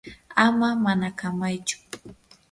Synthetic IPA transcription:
amamanakamajt͡ʃʊ̥

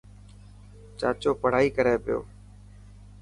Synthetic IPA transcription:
t͡ʃa̰ːt͡ʃoːpəɽ̤aːiːkəɾeːpɪjo̰ː

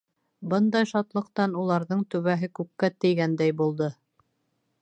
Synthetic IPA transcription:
bɤnd̪ɑjʃɑt̪lˠɤ̆qt̪ɑnulˠɑɾðɤɴt̪ʉβæɦɘkʉkːæt̪ɘ̆jɡænd̪æjbulˠd̪ɤ

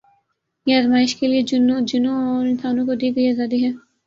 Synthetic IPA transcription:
jeɐzmaːɪʃkelied͡ʒʊnd͡ʒʊnõɔːɾɪ̃nsaːnõkod̪iːɡɐjazaːd̪iɦɛː

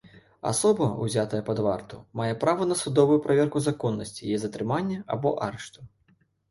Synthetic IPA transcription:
a̰sɔbɐṵzʲat̪ɐjɛpɐd̪vart̪umajɛpɾavɐnɐsud̪ɔvujupɾʔavʲɛrkuzakɔnːɐsʲt͡sʲijɛzɐt̪ɾɨmanʲːɐabɔʔaɾɛʂt̪u

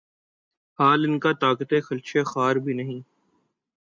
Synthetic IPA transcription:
haːlɪnkat̪aːkət̪exɐlt͡ʃʰexaːɾbʱinɐɦĩː

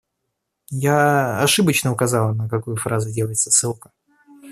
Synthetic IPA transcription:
jaɐʂɨbət͡ɕnəʊkɐzɑlˠnəkɐkujʊfɾazʊdʲelˠəjɪt̪sɐsɨlˠkə̥

